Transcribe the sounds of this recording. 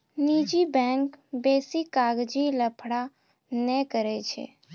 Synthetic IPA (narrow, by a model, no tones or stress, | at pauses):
nid͡ʒibɛŋkbesikaɡd͡ʒiləpʰɽa | nɛkəɾɛt͡ʃʰɛ̰